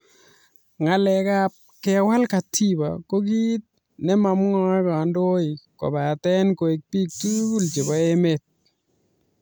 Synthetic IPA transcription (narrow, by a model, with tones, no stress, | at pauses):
ŋa˨lɛ˨ka˦p̚kɪ˦a˨wa˦lka˨tʰi˦ba̰˨ko˦ɡi˦t̪̚ | nɛ˦ma˨mŋɔ˦kɔ˨ndo˦ɪ˨ko̰˨ba˨tɛ˦nko˨e˨k̚pi˦k̚tu˦ɡu˦lt͡ʃe˨ba˦e˦me˦t̚